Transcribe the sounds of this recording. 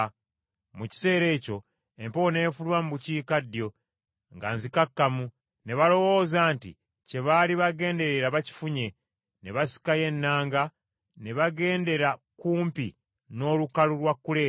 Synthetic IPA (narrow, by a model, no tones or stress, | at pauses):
muci̥se̞ːɾe̞ːco̞ | e̞mpone̞ːfulwamubuciːkadjo̞ | ŋɡa̰nzikakːamu | ne̞βalo̞wo̞ːzaːntḭ | ce̞βaːliβaɡe̞ːnde̞ɾeɾaβaci̥fuɲe̞ | neβasi̥kaje̞nːaːŋɡa | ne̞βaɡe̞ːnde̞ɾakuːmpi | no̞ːlukalulwakːule̞ː